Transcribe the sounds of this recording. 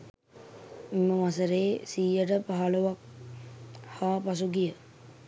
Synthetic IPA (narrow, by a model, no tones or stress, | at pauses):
imːəʋas̬əɾeːsiːjəʈəpaɦaloʋak̚ | haːpas̬uɡijə